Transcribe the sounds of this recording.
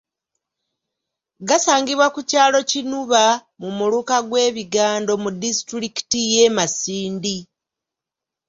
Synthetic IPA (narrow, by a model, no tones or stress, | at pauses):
ɡasaːŋɡiβwakucaːlo̞cinuβa | mumulukaɡwe̞ːβiɡaːndo̞mudistɾiki̥tije̞ːmasiːndi